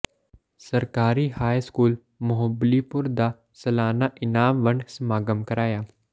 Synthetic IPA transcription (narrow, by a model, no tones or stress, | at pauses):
sɐɾkaːɾihaːjskuːl | mʊɦəblipʊɾd̪a | sɐlaːnaʔɪnaːmʋəɳɖsmaːɡəmkəɾaːjaː